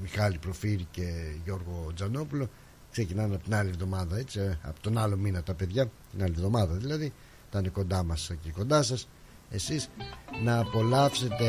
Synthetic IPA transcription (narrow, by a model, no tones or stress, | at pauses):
mixɐlipɾo̞fiɾice̞ʝo̞ɾɣo̞d͡zɐno̞pulo̞ | kse̞cinɐnɐpo̞t̪inɐlievðo̞mɐðɐe̞t͡siɐ̰pot̪o̞nɐlo̞minɐt̪ɐpe̞ðʝɐt̪inɐlievðo̞mɐðɐðilɐði | t̪ɐneko̞nd̪ɐmɐseciko̞nd̪ɐsɐs | e̞sisnɐːpo̞lɐfse̞t̪e̞